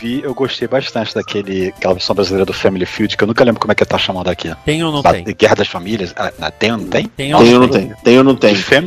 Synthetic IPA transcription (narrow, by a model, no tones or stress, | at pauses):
viewɡoʃt̪ejbaʃt̪ɐ̃nt͡ʃɪd̪ɐkʰelɪakɛlɐveɾsɐ̃ɐbɾazilejɾɐd̪ʊfẽmilifiwd͡ʒkewnũkɐlẽmbɾʊkomɛkelɪt̪aʃamɐ̃d̪ʊakʰiẽj̃ewñbaɡɛhɐd̪ɐsfamiliɐsa̰nɐ̰t̪ẽj̃onɐ̃w̃t̪ẽj̪̃ẽjewnɐ̃wt̪ẽj̃t̪ẽj̃ewnɐ̃w̃t̪ẽj̃fẽm